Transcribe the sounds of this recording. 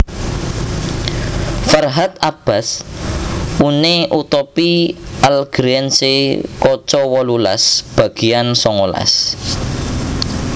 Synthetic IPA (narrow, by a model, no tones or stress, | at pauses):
farɦat̪ab̥as | uneʔut̪ɔpialɡ̥ɾɛnsekɔt͡ʃɔwɔlula̰sb̥a̤ɡ̥i̤jansɔŋola̰s